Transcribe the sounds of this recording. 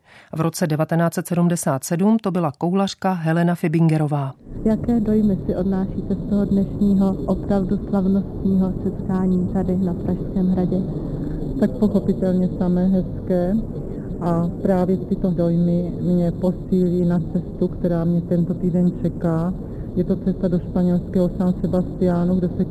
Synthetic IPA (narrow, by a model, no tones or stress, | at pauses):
vɾʔo̞t͡sɛdɛvat̪ɛnaːt͡sɛt̪sɛdumdɛsaːt̪sɛdumt̪o̞bɪlako̞wlar̥kaɦɛlɛnafɪbɪŋɡɛɾo̞vaːjakɛːdo̞jmɪsɪʔo̞dnaːʃiːt̪ɛst̪oɦodnɛʃɲiːɦo̞ʔopɾavduslavno̞st̪ɲiːɦosɛt̪kaːɲiːt̪adɪnapɾaʃskɛːmɦɾaɟɛ | t̪ak̚po̞xo̞pɪt̪ɛlɲɛsamɛːɦɛskɛː | ʔapɾaːvjɛt̪ɪt̪o̞do̞jmɪmɲɛpo̞siːliːnat͡sɛst̪ukt̪ɛɾaːmɲɛt̪ɛnt̪o̞t̪iːdɛnt͡ʃɛkaː | jɛt̪o̞pt͡sɛst̪ado̞ʃpaɲɛlskɛːɦo̞sansɛbast̪ɪjaːnuɡdosɛ